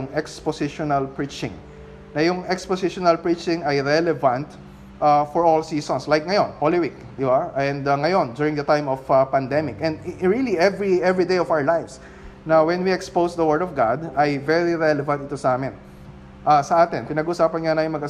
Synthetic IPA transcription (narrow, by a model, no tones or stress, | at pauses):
ŋɛksposɪʃonɐlpɹit͡ʃɪ̃ŋ | nɐjʊŋɛksposɪʃonɐlpɹit͡ʃɪ̃ŋɐjɹɛlɛvɐ̃nt̪ | ʔafɔɹolsiːsɔnslajk̚ŋɐjonholɪwik̚d̪ɪbaɛ̃nd̪ɐŋɐjo̞nd͡ʒjuːɹɪ̃ŋd̪ɐt̪ãjmɔfpɐnd̪ɛmɪkʔɛ̃nd̪ɹiliɛvɹiʔɛvɹid̪ejɔvawə˞lajvs | nɐwɛ̃nwiɛkspowsd̪ɐwɛɹd̪ɔvɡad̪ɐjvɛɹiɹɛlɛvɐ̃nt̪ɪt̪osɐʔaːmɪn | ʔasɐʔaːt̪ɪnpɪnɐɡuʔʊsaːpɐnɲanɐjʊŋmɐɡʔɐ